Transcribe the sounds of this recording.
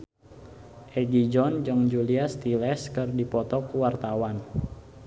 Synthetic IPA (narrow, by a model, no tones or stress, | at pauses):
ʔɛɡid͡ʒɔnd͡ʒəŋd͡ʒuliast̪ilɛskərdipɔt̪ɔkuwart̪awan